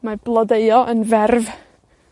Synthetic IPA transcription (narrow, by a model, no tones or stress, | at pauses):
mablˠɔdeɨɔʔənvɛrv